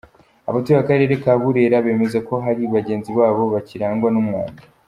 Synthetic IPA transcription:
aβatuiβakaɾe̞ːɾe̞kaβuɾe̞ːɾaβe̞ːme̞zako̞ɦaɾiβaɟe̞ːnziβaːβo̞βaciɾaːŋɡwanumŋwa̰ːnda

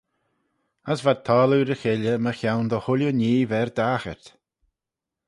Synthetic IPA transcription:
əsvad̪̚t̪ʰɔːluɾəxɪləməxawnd̪əhʊlʲjəniːvɛɹd̪axə̰ɹt̪

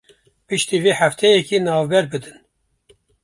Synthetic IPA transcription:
pɨʃt̪iːviːħæft̪ʰɛjɛkiːnɑːvbɛɾbɨd̪ɨn

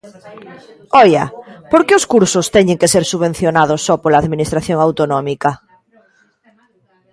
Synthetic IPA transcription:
ɔjapoɾkeoskuɾsost̪ɛɲẽŋkeseɾsuβẽn̟θjonað̞osːɔpolaːðminist̪ɾaθjoŋawt̪onɔmika

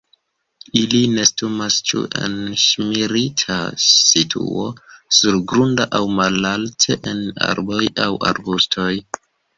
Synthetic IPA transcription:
iline̞stumast͡ʃṵʔḛnʃmiɾitʰasitʰṵo̞suɾɡɾundaʔawmalaltʰeʔena̰ɾbo̞jawa̰ɾbustʰo̞j

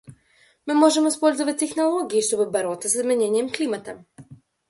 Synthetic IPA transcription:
mɨmɔʒɛmɔispɔlʲzovɐt̚ʲt̪ːɛxnolˠɔɡʲiːʃt̪ɔbɘbɐɾɔt̪səsizmʲɛnʲɛnʲijɛmklʲimɐt̪ɐ

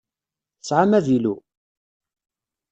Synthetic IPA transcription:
əsʕamæðilu

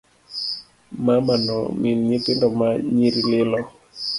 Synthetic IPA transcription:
mamanɔ̰minɲɪt̪ɪndɔmaɲiɾilɪlɔ

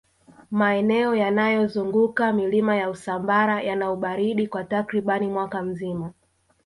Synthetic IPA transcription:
maɛnɛɔjanajɔzuŋɡukamilimajausambaɾajanauɓaɾiɗikwatakɾiɓanimwakam̩zima

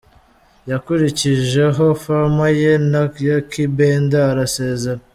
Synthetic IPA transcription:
jakuɾiciʒe̞ɦo̞famajenajakibeːndaːɾase̞ːzeɾa

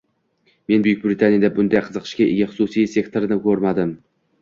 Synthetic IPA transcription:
me̞nbʊjɪk̚ʲbɾɪt̪ʰanijad̪abʊnd̪ajqʰɨzɨqʰɨ̥ʃkʲaʔeɡʲaχʊ̥susijsʲe̞kt̪ʰo̞ɾɪnɪkʰɵɾmad̪ɪm

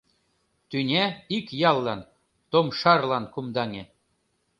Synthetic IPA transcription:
t̪ynʲeikjɑlˠːɑn | t̪omʃɑrlɑnkumd̪ɑŋʲe

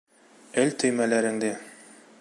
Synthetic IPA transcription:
ɘlt̪ɵ̆jmælæɾɘ̆ŋd̪ɘ

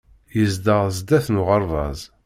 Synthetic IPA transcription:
jəzd̪əʁzd̪æθnʊʁəɾˤvɑ̰zˤ

